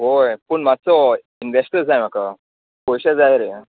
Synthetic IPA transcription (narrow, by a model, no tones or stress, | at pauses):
ɦojpəɳmat͡sɔ | inʋesʈəɾd͡zajm̤aka | pojɕad͡zajɾe